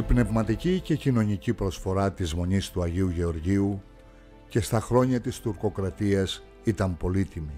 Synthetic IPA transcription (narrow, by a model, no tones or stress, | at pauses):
ipne̞vmɐt̪icice̞cino̞ɲicipɾo̞sfo̞ɾɐt̪izmo̞ɲist̪uɐʝiuʝe̞o̞ɾʝiu | ce̞st̪ɐxɾo̞ɲɐt̪ist̪uɾko̞kɾɐt̪iɐs | it̪ɐmpo̞lit̪imi